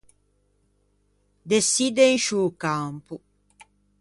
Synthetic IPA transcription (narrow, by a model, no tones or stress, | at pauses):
d̪esːid̪enʃuːkampu